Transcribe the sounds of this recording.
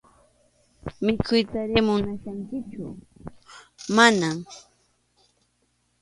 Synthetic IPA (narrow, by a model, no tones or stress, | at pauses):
mɪkʰʊjt̪aɾɪmʊnaʃaŋkɪt͡ʃʊ̰ | manam